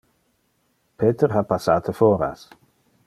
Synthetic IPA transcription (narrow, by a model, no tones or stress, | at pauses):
pʰeːt̪eɾɦapasaːt̪ʰefoːɾa̰s